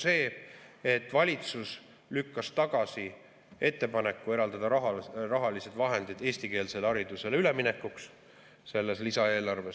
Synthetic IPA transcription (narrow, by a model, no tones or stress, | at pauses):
se̞ːet̪ːˑvɑlʲit̪sus | lykːɑst̪ɑɡ̥ɑsi | e̞t̪ːe̞pɑne̞kːue̞ɾɑld̪ɑd̪ɑɦrɑɦɑlise̞d̪̥vɑɦe̞nd̪̥id̪̥e̞ːsʲt̪ike̞ːlse̞lɑɾid̪use̞lyle̞mine̞kːˑuks | se̞lːe̞slisɑe̞ːlɑrve̞s